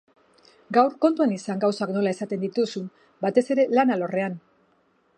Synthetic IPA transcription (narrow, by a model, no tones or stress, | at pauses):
ɡawɾko̞nt̪uanisaŋɡawsakno̞lae̞sat̪e̞nd̪it̪usum | bat̪e̞se̞ɾe̞lanalo̞re̞an